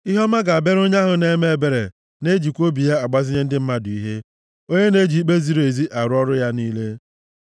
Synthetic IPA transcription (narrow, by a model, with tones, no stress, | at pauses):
i˦ɦɔ˦ma˦ɡa˨a˨be˦ɾo˦ɲa˦ɦʊ˨ne˦me˨˦be˨ɾḛ˨ | ne˦d͡ʒi˨kʷo˦bi˨ja˦a˨ɡ͡ba˦zɪ˦ɲe˦n̩˦dɪ˦m̩˦ma˦dʊ˨i˦ɦe˦ | o˦ɲe˦ne˦d͡ʒi˨˦k͡pe˦zi˦ɾe˨zi˦ʔa˨ɾʊ˦ɔ˦ɾʊ˦ja˦niː˦le˦